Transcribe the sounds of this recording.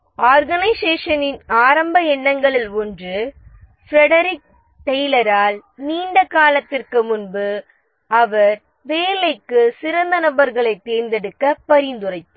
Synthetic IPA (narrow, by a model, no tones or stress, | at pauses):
aːɾɣɐnɐɪseːʂɐnɪnaːɾɐmbɐɛɳːɐŋɡɐɭɪlɔndrɯ | fɾɛɽɐɾɪk̚ | t̪ɛjlɐɾaːlniːɳɖɐkaːlɐt̪ːɪrkɯmʊnbɯ | ɐʋɐɾ | ʋeːlɐɪkːɯsɪɾɐnd̪ɐnɐbɐɾɣɐɭɐɪt̪ːeːɾnd̪ɛɽɯkːɐpːɐɾɪnd̪ɯrɐɪpːɯ